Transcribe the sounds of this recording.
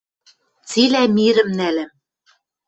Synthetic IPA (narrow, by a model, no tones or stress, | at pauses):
t͡silæmiɾɘ̆mnælɘ̆m